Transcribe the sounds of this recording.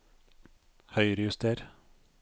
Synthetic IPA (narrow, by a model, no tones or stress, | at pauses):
hœʏɾəjʉst̪eːɾ